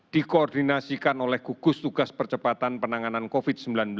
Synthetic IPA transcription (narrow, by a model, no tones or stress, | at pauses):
d̪̥ikoɔrd̪inasikanolɛhɡ̥uɡ̥ʊst̪uɡ̥aspərt͡ʃəpat̪anpənaŋanankofɪd̪̥̚səmbilanbl